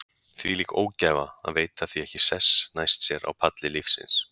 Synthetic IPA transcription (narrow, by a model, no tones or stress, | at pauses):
θviliːko̰ːwcɛːvaa̰ðveːjt̪aθviɛhcɪsɛsnajst̪sjɛɾʔa̰wpʰat̪lɪlifsɪ̰ns